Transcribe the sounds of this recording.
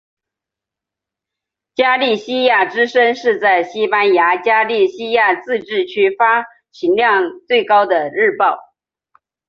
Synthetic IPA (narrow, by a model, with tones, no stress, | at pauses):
t͡ɕja˥li˥˩ɕi˥ja˥˩ʈ͡ʂɻ̩˥ʂə˥ŋʂɻ̩˥˧t͡sa˥˩ɪɕi˥pa˥nja˧˥t͡ɕja˥li˥˩ɕi˥ja˥˧t͡sɹ̩˥˧ʈ͡ʂɻ̩˥˩t͡ɕʰy˥fa˥ | t͡ɕʰi˧˥nljɑ˥˧ŋt͡swe˥˩ɪkɑ˥ʊd̪ə˨ɻɻ̩˥˧pɑ˥˩ʊ